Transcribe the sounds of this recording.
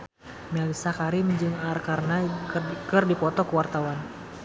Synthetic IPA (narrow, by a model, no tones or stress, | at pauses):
mɛlisakaɾimd͡ʒɨŋarkarənakɨrdipɔt̪ɔkəwart̪awan